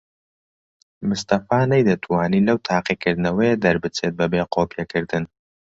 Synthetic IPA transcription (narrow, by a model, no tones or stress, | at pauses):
mɨst̪ɐfaːnɐjd̪ɐt̪ʰwaːniːlɐwt̪ʰaːqikɨɾd̪ɨnɐwɐjed̪ɐɾbɨt͡set̪̚bɐbeːqʰoːpijɛkɨɾd̪ɨn